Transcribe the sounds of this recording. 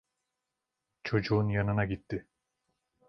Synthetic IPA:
t͡ʃʰo̞d͡ʒuːnjɑnɯnaɡit̪ːɪ

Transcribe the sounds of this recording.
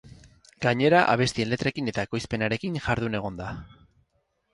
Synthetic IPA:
ɡaɲe̞ɾaʔa̰β̞e̞st̪ie̞nle̞t̪ɾekine̞t̪aeko̞jspe̞naɾe̞kiŋʝaɾðune̞ɣ̞o̞nd̪a

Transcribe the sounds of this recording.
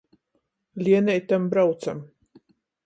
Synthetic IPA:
lʲiɛnʲɛjt̪ambɾawt̪sam

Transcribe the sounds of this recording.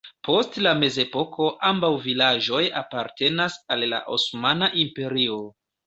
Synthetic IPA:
po̞stlame̞ze̞po̞kʰo̞ʔambawvilaʒo̞japaɾte̞nasalːa̰ʔosmanaʔimpe̞ɾio̞

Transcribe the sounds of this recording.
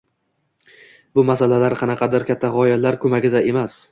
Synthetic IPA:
bʊmasalalaɾqʰɑnɑqʰɑd̪aɾkʲʰat̪ʰːaʁɒjalaɾkʰɵmaɡʲɪd̪aʔe̞mas

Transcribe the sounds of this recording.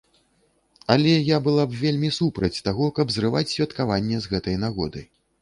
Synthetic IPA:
alʲɛjabɨlˠabvʲelʲmʲisupɾɐt͡sʲt̪aɣɔkɐbzrɨva̰t͡sʲsʲvʲɐt̪kavanʲːɛzɣɛt̪ɐjnaɣɔ̰d̪ɨ̰j

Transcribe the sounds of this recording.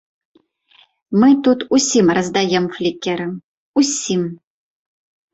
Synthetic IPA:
mɨt̪ut̪usʲimrəzd̪ajɛmflʲikʲɛɾɨm | usʲim

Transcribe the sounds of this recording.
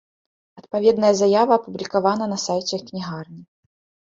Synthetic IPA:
ɐt̪pavʲɛd̪nɐjɐzajavɐːpublʲikavan̪ɐnɐsajt͡sʲɛknʲiɣarnʲi

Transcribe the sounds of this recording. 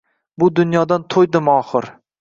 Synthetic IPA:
bʊd̪ʊnjɒd̪ant̪ʰojd̪ɪmɒχɨɾ

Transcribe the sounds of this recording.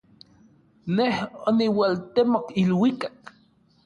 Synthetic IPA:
nehoniwalt̪emokilwikak

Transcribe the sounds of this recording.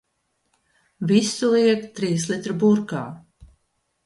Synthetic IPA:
visulˠiɛkt̪ɾiːslˠit̪ɾɐbuɾkaː

